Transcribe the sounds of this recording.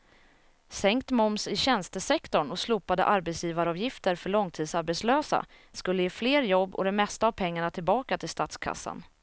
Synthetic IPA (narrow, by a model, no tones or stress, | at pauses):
sɛŋkt̪mɔmsɪɕɛnst̪əsɛkt̪ɔɳɔsluːpad̪ə̰ʔaɾbɛt̪sjiːvaɾɑːvjɪft̪əɾfœɭɔŋt̪ʰiːd̪saɾbɛt̪sløːsa̰ | skɵlːəjeːfleːɾjɔbːɔ̰d̪ɛmɛst̪aːvpʰɛŋːaɳat̪ʰɪlbɑːkat̪ʰɪlst̪at̪skʰa̰sːa̰n